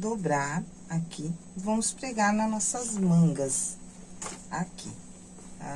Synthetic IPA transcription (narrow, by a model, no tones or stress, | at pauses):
d̪obɾaɾ | akʰi | vɐ̃mʊspɾeɡaɾnɐnɔsɐzmɐ̃ɡɐs | akʰḭ